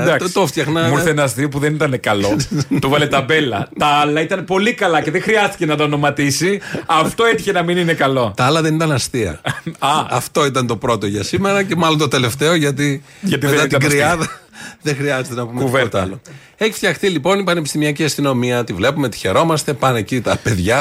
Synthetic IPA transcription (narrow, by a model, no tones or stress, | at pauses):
d̪t̪oft̪çɐxnɐuθenɐst̪iɐpuðenit̪ɐnekɐlouvɐlet̪ɐbe̞lɐt̪ɐɐlɐit̪ɐnpo̞likɐlɐce̞ðexɾiɐst̪i̥cenɐt̪ɐːno̞mɐt̪isiɐft̪o̞etiçenɐmininekɐlo̞t̪ɐɐlɐðenit̪ɐnɐst̪iɐ̰ɐɐft̪o̞it̪̬ɐnt̪o̞pɾo̞t̪o̞ʝɐsime̞ɾɐce̞mɐlo̞nt̪o̞t̪e̞le̞ft̪eoʝɐt̪̬i | ʝɐt̪imet̪ɐt̪ɡɾiɐðɐðexɾiɐzet̪e̞nɐpumevet̪ɐlo | e̞çi̥ft̪çɐxt̪ilipo̞nipɐne̞pist̪imiɐciɐst̪ino̞miɐt̪ivle̞pumeot̪i̥çe̞ɾo̞mɐst̪e̞pɐne̞cit̪ɐpe̞ðʝɐ